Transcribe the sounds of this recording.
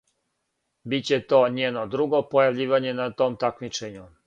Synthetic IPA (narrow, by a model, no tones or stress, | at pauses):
bit͡ɕet̪o̞ːɲeːnod̪ɾuɡo̞pojaʋʎiːʋaɲe̞nat̪o̞ːmt̪akmit͡ʃeɲu